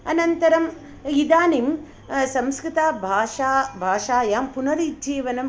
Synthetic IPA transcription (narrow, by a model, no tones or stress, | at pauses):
ɐnɐnt̪ɐɾɐm | id̪aːnim | sɐmskɾɪt̪aːbʱaːʃaːbʱaːʃaːjaːmpunɐɾid͡ʒiːʋɐnɐm